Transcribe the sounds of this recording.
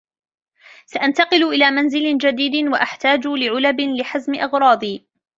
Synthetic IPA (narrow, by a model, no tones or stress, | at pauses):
saʔant̪ɑqɨlʔɪlaːmanzɪlɪd͡ʒad̪iːd̪waʔaħt̪aːd͡ʒʊlɪʕʊlabɪnlɪħazmɪʔɑɣɾˤɑːd̪ˤiː